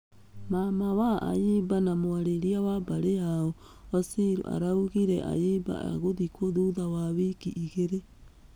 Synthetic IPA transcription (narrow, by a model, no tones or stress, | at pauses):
mamawaʔa̰jibanamoaɾeɾiawabaɾeaɔ | osiɾṵʔa̰ɾauɣiɾɛʔa̰jiba̰a̰ɣoðikoðuðawaβikiʔiɣeɾe